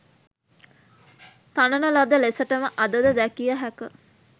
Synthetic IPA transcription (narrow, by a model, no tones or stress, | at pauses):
t̪anənəlad̪əlesəʈəməʔɐd̪əd̪əd̪ækijəɦækə